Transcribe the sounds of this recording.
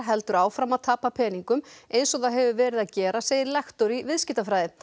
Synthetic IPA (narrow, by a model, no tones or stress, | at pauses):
ɾɦɛlt̪ʏɾaːwfɾamaðt̪ʰaːpapʰɛːniŋkʏmejnsɔɣθaðɦɛvʏvɛːɾɪðaðcɛːɾaseːjɪɾlɛxt̪oɾivɪðscɪht̪afɾajðɪ